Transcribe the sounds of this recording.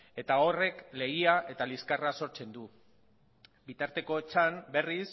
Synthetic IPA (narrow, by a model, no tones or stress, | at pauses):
e̞t̪ao̞re̞kle̞ɣiaʔe̞t̪aliskaraso̞ɾt͡se̞nd̪u | bit̪aɾt̪e̞ko̞et͡ʃambe̞ris